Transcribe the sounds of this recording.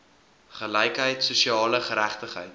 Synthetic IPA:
χəlɛjkɦəjtsuʃiɑːləχəɾæχtəχə̰jt

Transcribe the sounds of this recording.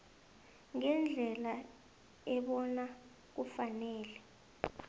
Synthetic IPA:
ŋɛnd͡ɮʱɛla | ɛɓɔna | k̬ufanɛːlɛ

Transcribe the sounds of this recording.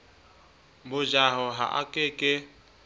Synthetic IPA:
bʊd͡ʒaɦɔɦa̰ʔa̰kʼɪkʼɪ

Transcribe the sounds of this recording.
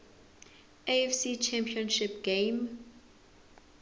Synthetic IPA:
eɛfsit͡ʃʰɛ̃mpʰiɔ̃nʃɪpɡ̥ẽm

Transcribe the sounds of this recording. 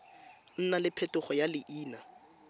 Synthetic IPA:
n̩nalɪpʰɛtʊχɔjalɪʔiːna

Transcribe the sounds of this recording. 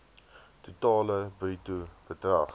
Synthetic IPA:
tutɑːləbritub̥ədrɐχ

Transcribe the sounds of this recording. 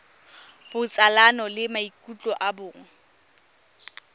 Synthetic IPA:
b̥ʊt͡sʼalanɔlɪmaikʼut͡ɬʼɔʔabʊːŋ̩

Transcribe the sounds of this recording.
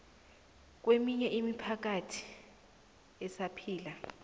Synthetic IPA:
k̬wemiɲɛʔimipʰak̬atʰi̥ | ɛsapʰiːla

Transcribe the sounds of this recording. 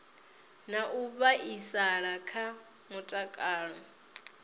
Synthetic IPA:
naʔuβaʔisaɺakʰa | mutʼakʼaːɺɔ

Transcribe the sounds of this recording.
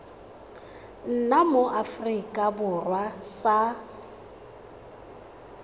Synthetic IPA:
n̩namoʔafrikʼabʊrwasa

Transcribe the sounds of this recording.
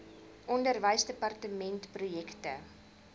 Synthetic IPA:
ʔɔndərvəjsdəpɐrtəmɛntprujɛktə

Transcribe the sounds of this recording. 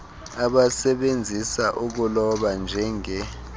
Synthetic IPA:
aɓasɛɓend͡zʱisaʔuk̬ulɔɓand͡ʒʱɛŋɛ

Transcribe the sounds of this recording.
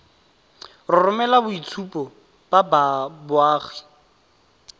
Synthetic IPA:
rʊrʊmɛlabʊit͡sʰupɔ | b̥ababʊaːɣɪ̥

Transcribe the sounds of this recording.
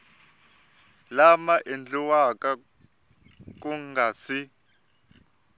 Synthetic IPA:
lamaʔend͡ɮiwaka | k̬ʼuŋɡaːt͡sʰi

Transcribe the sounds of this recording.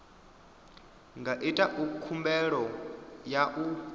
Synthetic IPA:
ŋɡaʔitʼaʔukʰumbɛɺɔjaʔu

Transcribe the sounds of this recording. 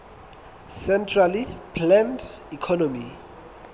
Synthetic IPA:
sɛntʰralipʰlɛ̃nd | ikʰɔnɔmi

